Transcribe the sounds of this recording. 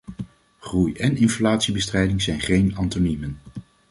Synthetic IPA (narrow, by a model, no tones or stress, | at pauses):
χrujɛnɪnflaːtsibəstrɛjdɪŋzɛjnχejnɑntonimən